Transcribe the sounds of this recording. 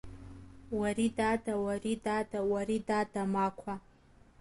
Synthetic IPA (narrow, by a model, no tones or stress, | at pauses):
waɾidadawaridadawaɾidadamakʷʰa